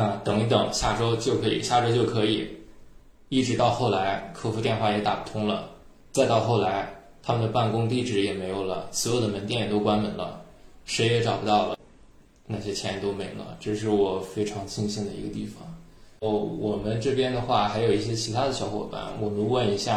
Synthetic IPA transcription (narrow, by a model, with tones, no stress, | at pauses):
t̪ɤ˧˥ŋi˧˥t̪ɤ˨˩ŋɕja˥˩ʈ͡ʂo˥ʊt͡ɕjo˥˩ʊkʰɤ˧˥ḭ˨˩ɕja˥˩ʈ͡ʂo˥ʊt͡ɕjo˥˩ʊkʰɤ˧˥i˨˩ | i˥˩ʈ͡ʂɻ̩˧˥t̪ɑ˥˧ʊxo˥˩ʊla˧˥ɪkʰɤ˥˧fu˧t̪jɛ˥˧nxwa˥˩jɛ˧˥t̪a̰˨˩pu̥˥˩t̪ʰʊ˥ŋlə˨ | t͡sa˥˧ɪt̪ɑ˥˧ʊxo˥˩ʊla˧˥ɪ | t̪ʰa˥mə˨nd̪ə˩pa˥˩nkʊ˥ŋt̪i˥˩ʈ͡ʂɻ̩˨˩jɛ˨˩me˧˥ɪjo˨˩ʊlə̰˩sw̩˧˥jo˨˩ʊd̪ə˨mə˧˥nt̪jɛ˥˩njɛ˨˩t̪o˥ʊkwa˥nmə˨˩nlə̰˧˩ | ʂe˧˥ɪjɛ˧˥ʈ͡ʂɑ˨˩ʊpu˧t̪ɑ˥˩ʊlə̰˩ | na˥˩ɕ̬jɛ˥t͡ɕʰjɛ˧˥nɛ˧˩t̪o˥ʊmi˧˥ŋlə̰˧ʈ͡ʂɤ˥˧ʂ̬ɻ̩˥˩wɔ˨˩fe˥ɪʈ͡ʂʰɑ˧˥ŋt͡ɕʰi˥˧ŋɕi˥˩ŋd̪ə˨˩i˧˥ɡə˧t̪i˥˩fɑ̰˨˩ŋ | wɔ˨˩mə˦nʈ͡ʂɤ˥˩pjɛ˥nd̪ə˨xwa˥˩xa˧˥ɪjo˨˩i˥˩ɕ̬jɛ˥t͡ɕʰi˧˥t̪ʰa˥d̪ə˨ɕjɑ˧˥ʊxwɔ̰˨˩pa̰˥˩nwɔ˨˩mə˦nwə˥˩ni˧˥ɕja˥˩